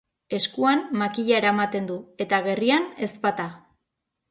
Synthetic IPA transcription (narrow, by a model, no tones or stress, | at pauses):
e̞skuanmakiʎaeɾaemat̪e̞nd̪ue̞t̪aɣe̞riane̞spat̪a